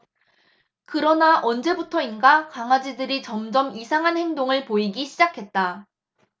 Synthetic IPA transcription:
kɯɾʌnaʔʌnd͡ʑe̞butʰʌinɡakaŋwad͡ʑidɯɾit͡ɕʌmd͡ʑʌmisʰaŋɦanhe̞ŋdoŋɯɭpoiɡiɕʰid͡ʑakʰe̞t̚t͈a

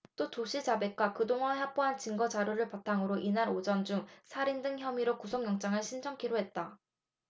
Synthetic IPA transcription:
t͈otoɕʰid͡ʑabe̞k͈wakɯdoŋaeɦap͈oɦant͡ɕiŋɡʌd͡ʑaɾjoɾɯɭpatʰaŋɯɾoʔinaɾod͡ʑʌnd͡ʑuŋsʰaɾindɯŋçjʌmiɾokusʰoŋjʌŋt͡ɕ͈aŋɯɭɕʰind͡ʑʰʌŋkʰiɾoɦe̞t̚t͈a

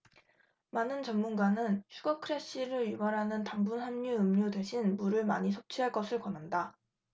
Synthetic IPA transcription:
manɯnt͡ɕʌmːunɡanɯnɕʰuɡʌkʰɯɾe̞ɕ͈iɾɯɭjubaɾɦanɯntaŋbunɦanɲuɯmɲude̞ɕʰinmuɾɯɭma̰ɲisʰop̚t͡ɕʰiɦaɭk͈ʌsʰɯɭkʌnɦanda

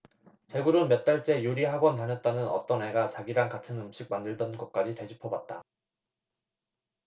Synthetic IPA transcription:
t͡ɕe̞ɡuɾomjʌt̚t͈aɭt͡ɕ͈e̞juɾiɦaɡwʌntaɲʌt̚t͈anɯnʌ̰t͈ʌnɦe̞ɡat͡ɕaɡiɾaŋkatʰɯnɯmɕ͈ʰiɡ̚mandɯɭdʌnɡʌt̚k͈ad͡ʑite̞d͡ʑipʰʌbat̚t͈a

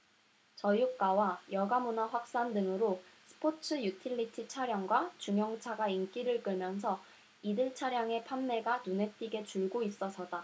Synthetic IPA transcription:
t͡ɕʌjuk̚k͈awajʌɡamunaɸwak̚s͈andɯŋɯɾosʰɯ̥pʰot͡ɕʰɯjutʰiʎːitʰit͡ɕʰaɾjaŋɡwat͡ɕuŋjʌŋt͡ɕʰaɡaink͈iɾɯɭk͈ɯɭmjʌnsʰʌ | idɯɭt͡ɕʰaɾjaŋe̞pʰanːe̞ɡanune̞t͈iɡe̞t͡ɕuɭɡois͈ʌsʰʌd̥a

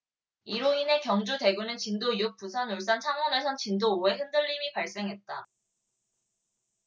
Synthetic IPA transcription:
iɾoine̞kjʌŋd͡ʑute̞ɡunɯnt͡ɕindoijuk̚p͈usʰanoɭs͈ant͡ɕʰaŋʌne̞sʰʌnt͡ɕindooe̞ɦɯndɯʎːimipaɭs͈e̞ŋɦe̞t̚t͈a

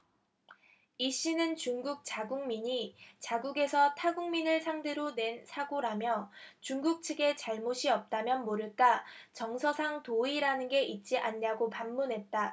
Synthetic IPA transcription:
iɕ͈inɯnt͡ɕuŋɡuk̚t͡ɕ͈aɡuŋmiɲit͡ɕaɡuɡe̞sʰʌtʰaɡuŋminɯɭsʰaŋdeɾone̞nsʰaɡoɾamjʌt͡ɕuŋɡuk̚t͡ɕʰɯɡe̞t͡ɕaɭmoɕʰiʌp̚t͈amjʌnmoɾɯɭk͈at͡ɕʌŋsʰʌsʰaŋtoiɾanɯnɡe̞ʔit̚t͡ɕ͈iʔaɲɲaɡopamːunɦe̞t̚t͈a

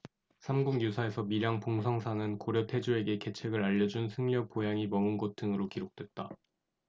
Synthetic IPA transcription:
sʰamɡuŋjusʰae̞sʰʌmiɾjaŋpoŋsʰʌŋsʰanɯnkoɾjʌtʰe̞d͡ʑue̞ɡe̞ke̞t͡ɕʰwe̞ɡɯɾaʎːʌd͡ʑunsʰɯŋʎʌk̚p͈ojaŋimʌmɯnɡot͈ʰɯŋɯɾokiɾok̚t͈we̞t̚t͈a

